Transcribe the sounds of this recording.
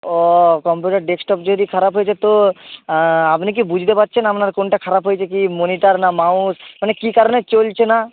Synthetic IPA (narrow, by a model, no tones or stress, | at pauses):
ɔkɔmpjuʈaɾɖeksʈɔpd͡ʒod̪ikʰaɾapɦojet͡ʃʰet̪o | apnik̬ibud͡ʑʱt̪epatːʃʰenapnaɾkonʈakʰaɾapɦojt͡ɕʰekimoniʈaɾnamaũsmanekikaɾonet͡ɕolt͡ɕʰena